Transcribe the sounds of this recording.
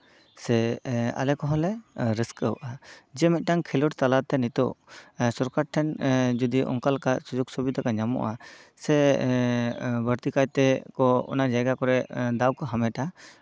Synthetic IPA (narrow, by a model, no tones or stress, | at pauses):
sɛa̰lɛkɔɦɔlɛɾiskəwʔad͡ʒɛmɛt̪̚ˀʈaŋkʰɛlɔʈt̪alat̪ɛnit̪ɔ̰wsɔɾkaɾʈʰːɛnd͡ʒud̪iʔɔ̰ŋkalkasud͡ʒɔɡsɔbit̪akaɲamɔ̰ʔasɛ | bəɾt̪ikajt̪ɛkɔɔ̰nad͡ʒajɡakɔɾɛd̪awkɔɦamɛʈa